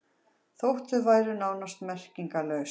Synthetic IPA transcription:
θowht̪ʏvaːjɾʏnaːwnast̪mɛr̥ciŋkalœɥs

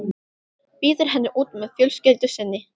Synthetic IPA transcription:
piːðɪɾ̥ɦɛnːɪʔuːt̪mɛðfjœlscɪlt̪ʏsɪnːɪ

